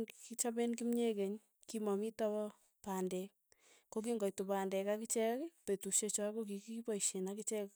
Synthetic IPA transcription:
kit͡ʃabenk̬imɲekeɲ | kimɔmitɔbɔ | pandɛk | kok̬iŋɡɔjtupandɛkakɪt͡ʃɛkpetuʃet͡ʃɔkok̬ikipɔiʃenakɪt͡ʃɛk

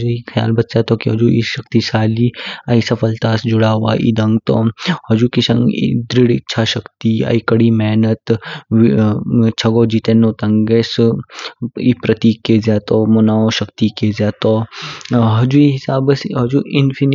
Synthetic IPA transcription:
d͡ʒuixʰɐja̰ːlbɐt̪saːt̪oːkiɦɐd͡ʒuḭʃɐk̚t̪isaːliaisɐpʰɐlt̪aːsd͡ʒʊɽaːɦwa̰ːʔḭd̪ɐ̃ŋɡt̪o̰ːhɐd͡ʒukisɐ̰̃ŋɡḭd̪ɾɪɽɪ̰tːt͡ʃʰaʃɐkt̪ia̰ikɐɽimɛːnɐt̪ | t͡ʃʰɐɡoːd͡ʒit̪enːoːt̪ɐŋɡes | ipɾɐt̪iːkːeːzaːt̪omonaːoʃɐkt̪ikeːzaːt̪o | ɦɐd͡ʒuiɦɪsaːbsɦɐd͡ʒuʔɪnpʰin

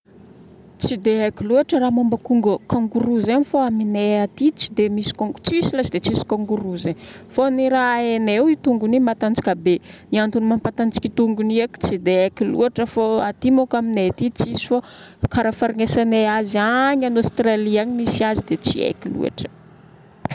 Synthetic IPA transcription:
t͡sid̪eakʲiluaʈ͡ʂəɾaːmambakuŋɡəkaŋɡuɾuzanifoamineat̪it͡si̥d̪emisi̥kot͡sisilazid̪et͡sisi̥kãŋɡuɾuze | foniɾaenewit̪uŋɡunimat̪ant͡si̥kʲabeniant̪unimampat̪ant͡si̥kʲit̪uŋɡuniaki̥t͡sid̪eakilṵaʈ͡ʂəfoat̪imokamineat̪it͡sisi̥fo | kaɾafaɾiŋesaneazaɲanost̪raliaɲimisiazid̪et͡sḭḛkilṵa̰ʈ͡ʂə̥

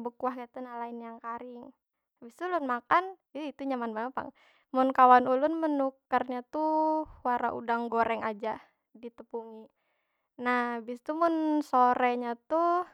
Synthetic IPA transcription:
bəkuahkat̪unalainjaŋkaɾɪŋ | bist̪ulʊnmakan | iit̪uɲamanbaŋapa̰ŋ | mʊnkawanulʊnmənukːarɲat̪uwaɾa̰ʔṵdaŋɡoɾɛŋad͡ʒa | dit̪əpuŋi | nahbist̪umʊnsoɾɛɲat̪u

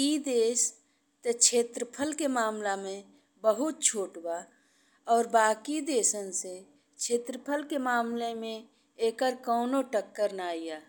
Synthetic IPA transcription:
id̪eːs | t̪et͡ʃʰeːt̪ɾəpʰəlkemaːmlamẽ | bəɦʊt̪̚t͡ʃʰoːʈba | ɔːɾbaːkid̪eːsənse | t͡ʃʰeːt̪ɾəpʰəlkemaːmlemẽ | eːkəɾkɔːnoʈəkːəɾnaːijaː

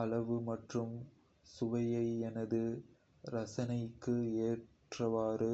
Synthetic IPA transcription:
ɐlɐʋɯmɐʈrɯm | sʊʋɐjɐɪɛnɐðɯ | ɾɐsɐnɐɪkːɯeːʈrɐʋaːɾɯ

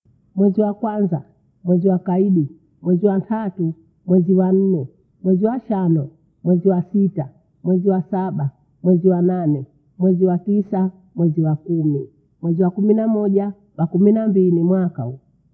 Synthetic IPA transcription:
mwɛziwakwanza | mwɛziwakaiɗi | mwɛziwantʰatu | mwɛziwan̩nɛ | mwɛziwaʃanɔ | mwɛziwasita | mwɛziwasaɓa | mwɛziwananɛ | mwɛziwatisa | mwɛziwakumi | mwɛziwakuminamɔɟa | wakuminambilimwakau

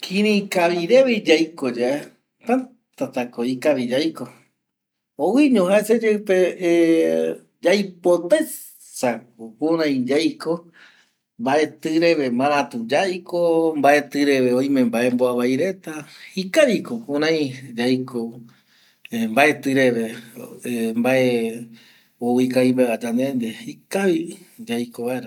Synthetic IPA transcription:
kʰĩɾĩkaβiɾeβid͡ʒajkod͡ʒae | t̪ã | t̪at̪akoikaβid͡ʒajko | owiɲõhaesed͡ʒeɨpe | d͡ʒajpot̪a | sakopũɾãj̃d͡ʒajko | mbaʔe̞t̪ɨɾe̞βemãɾ̃ãt̪ũd͡ʒajkombae̞t̪ɨɾe̞βeõj̃mẽmbaʔe̞mboaβaiɾe̞t̪ahikaβikokũɾãj̃d͡ʒajko | embaʔe̞t̪ɨɾe̞βe̞embaʔe | owikaimbead͡ʒand̪end̪ehikaβid͡ʒajkoβaeɾa

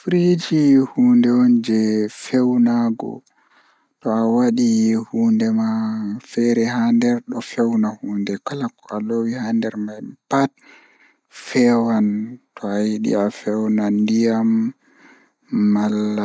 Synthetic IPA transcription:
fɾid͡ʒihuːndɛwɔnd͡ʒɛfɛwnaɡɔ̰ | tɔawaɗihuːndɛmafɛɾɛɦandɛɾɗɔfɛwnahuːndɛkalakɔʔalowihandɛɾmajpat̚ | fɛwantɔajiɗḭafɛwnandijam | alːa

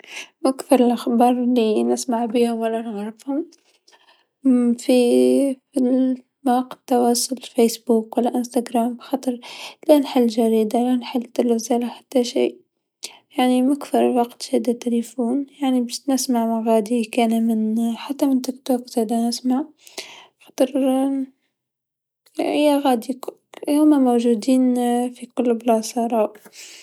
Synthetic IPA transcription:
makθɪɾˤɪlʔaxbɑːɾˤɪlːinɪsmaʕbiːhʊmwalːanɣɾˤɪfhʊm | fifi | maɑqɪ̥t̪ːɑwɑːsˤʊlfesbuːkwalːaʔɪnst̪aɡɾaːmbxɑt̪ˤɨɾˤlanħalːʒaɾiːd̪alanħalːt̪ːalafzalaħat̪ːaʃḭːʔ | jaʕnimækθɑɾˤwɑqt̪hæd̪æt̪ːɪlifuːnjaʕnibæʃnəsmaʕmaɣæːd̪ikænmɪnħat̪ːæmɪnt̪ɪkt̪okzid̪ænɪsmaʕ | xɑ̥t̪ˤəɾ | hɪjːæɣæːd̪ihʊmæmowʒud̪iːnfiqʊlːbəlʕɑsˤɑɾˤɑːʔ

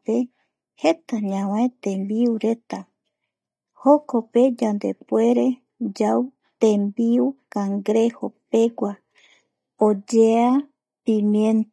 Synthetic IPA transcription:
e | het̪aɲãwet̪ẽmbiuɾe̞t̪a | hokope̞d͡ʒand̪epwe̞ɾe | d͡ʒaw | t̪ẽmbiukaŋɡɾehope̞ɡʷa | od͡ʒea | pĩmjẽn

